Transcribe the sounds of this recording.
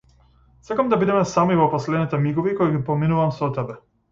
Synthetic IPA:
sakamd̪abid̪ɛmɛsamivɔpɔslɛd̪nit̪ɛmiɡɔvikɔiɡipɔminuvamsɔt̪ɛbɛ

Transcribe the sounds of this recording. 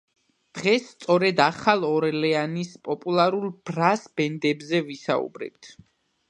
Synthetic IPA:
d̪̥ʁɛsːt̪sʼɔɾɛd̪aχalˠɔɾɛlɛanispʼɔpʼulˠaɾulˠb̥ɾasbɛnd̪ɛbzɛvisa̰ṵbɾɛ̰b̚t̪ʰ

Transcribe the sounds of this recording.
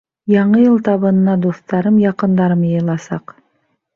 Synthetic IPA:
jɑɴɤjɤlˠt̪ɑβɤ̆nɤ̆nɑd̪o̞st̪ɑɾɤmjɑqɤ̆nd̪ɑɾəmjɤjlˠɑsɑ̰q

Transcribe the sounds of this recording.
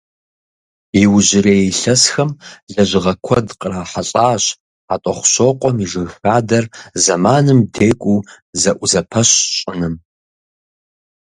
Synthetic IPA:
jiwʊʑɪrejejɬɐsxɐmɮɐʑɪʁɐkʷʰɔdqʼəraːħaɬʼaːɕ | atʷʼɔχʷʊ̥ɕoqʷʼɔmiʐɨɣxaːdɐrzɐmaːnɨmdʰeːkʷʼuː | zɐʔʷʊzɐpʰɐɕɕʼɪnɨm

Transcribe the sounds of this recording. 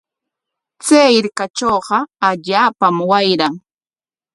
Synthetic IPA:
t͡seːɪɾkat͡ʃoːɢɑaʎaːpamwajɾaŋ

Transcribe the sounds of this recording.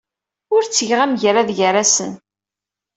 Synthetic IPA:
ʊɾt͡sːəʝʁæmʝɾaðʝəɾasən

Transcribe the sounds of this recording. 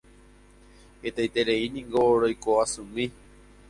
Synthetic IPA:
het̪ejt̪eɾeinĩŋɡoɾojkoasũmĩ

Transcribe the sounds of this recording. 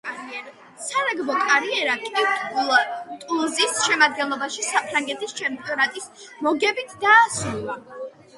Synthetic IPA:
saɾaɡbɔkʼaɾiɛɾakʼit̪ʼ | t̪ʼulˠzisʃɛmad̪̚ɡɛnlˠɔbaʃisapʰɾaŋɡɛt̪ʰist͡ʃʰɛmpʼiɔnat̪ʼismɔɡɛbit̪ʰd̪aːsulˠa

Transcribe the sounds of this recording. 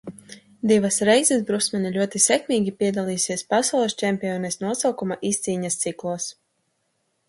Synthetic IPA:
d̪ivasɾɛjzɛsbɾusmʲɛnilʲuɔt̪isʲɛkmiːɡʲipʲiɛd̪alˠiːsiɛspasawlˠɛst͡ʃɛmpʲiɔːnɛsnuɔsawkumaʔist̪siːɲast̪siklˠuɔs

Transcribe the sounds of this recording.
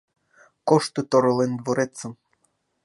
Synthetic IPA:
koʃt̪ut̪oɾŏlend̪voɾet͡sːəm

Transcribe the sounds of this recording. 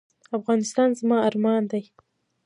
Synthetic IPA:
afɣɑnɪst̪ɑnzmɑaɾmɑnd̪aj

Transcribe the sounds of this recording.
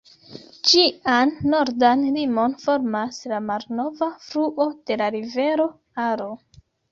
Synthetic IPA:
t͡ʃianːo̞ɾdanlimo̞nfo̞ɾmaslamalno̞vafɾuʔod̥e̞laɾive̞ɾo̞ | aɾo̞

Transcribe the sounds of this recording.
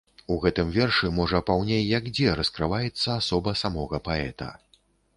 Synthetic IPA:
uɣɛt̪ɨmvʲɛrʂɨmɔʐɐpawnʲejːɐkd͡zʲɛɾɐskɾɨvajɛt̪sːɐasɔbɐsamɔɣɐpaɛ̰t̪ɐ̰

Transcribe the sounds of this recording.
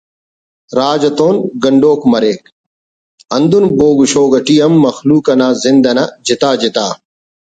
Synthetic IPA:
ɾaːd͡ʑɐt̪oːnɡɐɳɖoːkmɐɾeːk̚ | ɐnd̪unboːɡuɕoːɡɐʈiːɐmːɐxluːkɐnaːzɪnd̪ɐnɐd͡ʑit̪aːd͡ʑit̪aː

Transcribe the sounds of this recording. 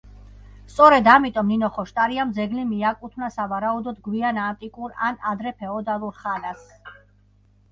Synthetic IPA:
st̪sʼɔɾɛd̪amit̪ʼɔmninɔχɔʃt̪ʼaɾiamd̪zɛɡlimiakʼut̪ʰmnasavaɾaud̪ɔd̪ɡwianant̪ʼikʼuɾa̰nad̪ɾɛpʰɛɔd̪alˠuɾχanas

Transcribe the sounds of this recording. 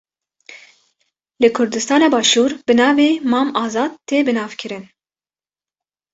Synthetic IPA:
lɨkʰʊɾd̪ɨst̪ɑːnɑːbɑːʃuːɾb̥ɨnɑːveːmɑːmɑːzɑːd̪̚t̪ʰeːbɨnɑːvkʰɨɾɨn

